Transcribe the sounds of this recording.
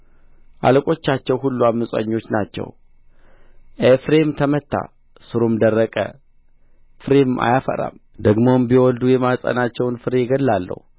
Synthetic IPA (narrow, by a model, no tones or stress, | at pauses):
ʔa̰ləkʼo̞t͡ʃːat͡ʃːɛwɦulːuamːɨsʼa̰ɲːo̞t͡ʃːnat͡ʃːɛ̰w | ʔefɾe̞mt̪ʰəmət̪ːa̰ | sɨɾomd̪ərːəkʼə̰ | fɨɾemʔa̰jafə̰ɾa̰m | d̪əɡmo̞mbiwɔld̪ujɛmasʼə̰nat͡ʃːɛwnfɨɾeɡəlːalːə̰hu